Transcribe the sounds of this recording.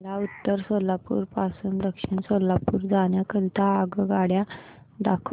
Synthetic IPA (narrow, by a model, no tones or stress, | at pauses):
laut̪ːəɾsolːapṵːɾpasuːnd̪əkʂəɳsolːapuːɾd͡zaɳjakəlt̪ʰaːɡɡaɽja | d̪akʰ